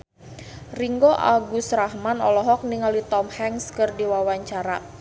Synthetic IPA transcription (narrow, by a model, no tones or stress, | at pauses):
riŋɡoʔa̰ɡusrahmanɔlɔɦɔk̚niŋalit̪ɔmhɛŋskɨrdiwawaɲt͡ʃaɾa